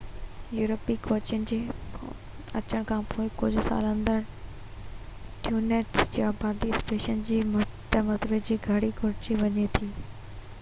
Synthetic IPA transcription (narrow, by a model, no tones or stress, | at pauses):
juːɾəpikoːt͡ɕənɪ̆d͡ʑeː | ɐ̰t͡ɕəɽ̃kʰãːpoːɪkʊd͡ʑʱʊsa̰ːlə̃nd̪əɾ | ʈʰjuːneːʈsd͡ʑjaːbaːɾd̪ispeːʃənd͡ʑiːmʊt̪əmɐzbed͡ʑiːɡʱɐɽikʊɾt͡ɕiʋɐɲet̪ʰiː